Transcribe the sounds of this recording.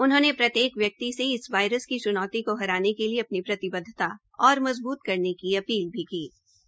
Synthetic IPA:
ʊnɦõːnepɾɐt̪jeːkʋjɐk̚t̪iseɪsʋaːɪɾəskit͡ʃʊnɔːt̪ikoɦɐɾaːnekelieɐpnipɾɐt̪ɪbəd̪ʱːɪt̪a | ɔːɾmɐzbuːt̪kɐɾnekiɐpiːlbʱikiː

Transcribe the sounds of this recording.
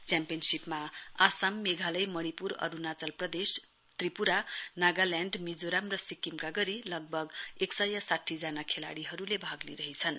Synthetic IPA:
t͡sjampijʌnsipmaasamːeɡʱalʌjmʌɽ̃ipuɾʌ̰ɾunat͡sʌlprʌd̪es | t̪ripuɾanaɡaljaɳɖmid͡zoɾamrʌsikːimkaɡʌɾilʌɡ̚bʱʌɡeksʌjʌsaʈʰːid͡zanakʰela̰ɽiɦʌɾulebʱaɡlḭɾʌɦit͡sʰʌn

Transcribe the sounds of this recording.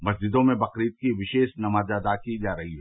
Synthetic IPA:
mɐsd͡ʒɪd̪õmẽbɐqɾiːt̪̚kiʋɪʃeːʃnɐmaːd͡ʒəd̪akid͡ʒaːɾɐɦiɦɛː

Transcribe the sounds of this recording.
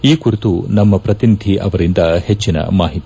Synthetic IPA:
iːkuɾit̪unɐmːɐpɾɐt̪inid̪ʱiʔɐʋɐɾind̪ɐhet͡ʃːinɐ̰maːɦit̪i

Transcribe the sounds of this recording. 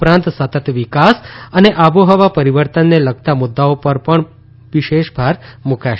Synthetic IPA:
pɾãnt̪sət̪ət̪ʋikasəneʔabuɦəʋapəɾiʋəɾt̪ənːeləɡ̚t̪amʊd̪ːaopəɾpəɳ | ʋiʃeʃbʱaɾmukaʃ

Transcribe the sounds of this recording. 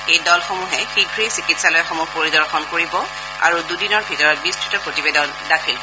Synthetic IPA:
ejdɔlxomuɦɛxiɡʱɹisikitsalɔjɛxomupoɹidɔɹxɔnkoɹibɔ | a̰ɹududinɔɹbʱitɔɹɔt̚bistʰɹitɔpɹotibedɔn | dakʰil

